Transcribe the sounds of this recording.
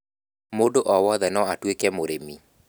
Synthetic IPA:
modoʔɔwɔðɛnɔatwekɛmoɾemi

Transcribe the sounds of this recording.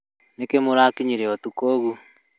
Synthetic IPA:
nekemoɾaːkiɲiɾeɔtukoːɣu

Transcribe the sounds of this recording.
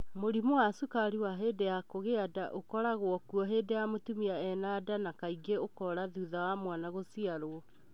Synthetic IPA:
moɾimowasukaɾiwaɦedejakoɣeadaʔokɔɾaɣwɔkuɔɦeːdejamotumiaɛnadanakaiɡeokɔɾaðuðawamwanaɣosiaɾoɔ

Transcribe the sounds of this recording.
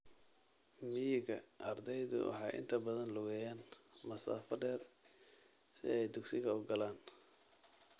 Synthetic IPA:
mɪjɪɣɐʔɐrd̪ɛjðʊ̰wɑ̰ħɑjʔɪ̰nt̪ʰɐbɐðɐnlʊɣɛjaːnmɐsa̰ːfɐɖɛːr | sɪ̰ɛjd̪ʊɡsɪɣɐʊɡɐlaːn

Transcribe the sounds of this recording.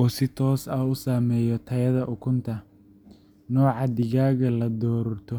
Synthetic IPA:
ɔːsɪt̪ʰɔːsɐʊsaːmɛːjɔt̪ʰɐjɐðɐʔʊkʰʊnt̪ʰɐ | nɔːʕɑd̪ɪɣaːɣɐlɐd̪ɔːɾɔrt̪ʰɔ

